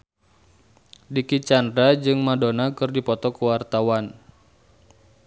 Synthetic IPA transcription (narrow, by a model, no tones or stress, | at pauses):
dikit͡ʃandɾad͡ʒɨŋmadonakɨrdipɔt̪ɔkuwart̪awan